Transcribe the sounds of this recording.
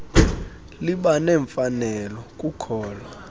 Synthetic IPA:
liɓanɛɱfanɛlɔkʼukʰɔːlwa

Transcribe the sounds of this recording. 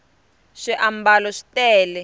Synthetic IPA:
ʂiʔambalɔʂi̥tɛːlɛ

